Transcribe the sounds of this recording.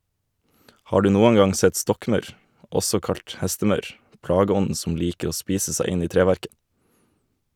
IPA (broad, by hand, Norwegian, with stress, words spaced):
ˈhɑː ˈɖʉː ˈnuːən ˈɡɑŋ ˈsɛt ˈstɔkˌmɑʉɾ ˈɔsɔ ˈkɑlt ˈhɛstəˌmɑʉɾ ˈplɑːɡəˌɔndn̩ sm̩ ˈliːkə ˈoː ˈspiːsə ˈsæɪ ˈɪn ˈiː ˈtɾeːˌʋæɾkə